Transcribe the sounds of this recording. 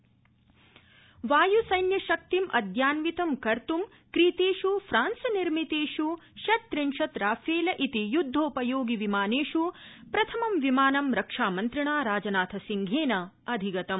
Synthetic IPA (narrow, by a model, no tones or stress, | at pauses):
ʋaːjusɐjnjɐʃɐk̚t̪imʔɐ̰d̪jaːnʋit̪ɐmkɐɾt̪um | kɾiːt̪eːʃufʰɾaːnsɐniɾmit̪eːʂuʃɐt̪ːɾinʃɐt̪ɾaːfʰeːlɐʔit̪ijud̪ʱːoːpɐjoːɡiʋimaːneːʂupɾɐt̪ʰɐmɐmʋimaːnɐmɾɐkʂaːmɐnt̪ɾiɳaːɾaːd͡ʒɐnaːt̪ʰɐsiŋɡʱeːnɐ | ɐd̪ʱiɡɐt̪ɐm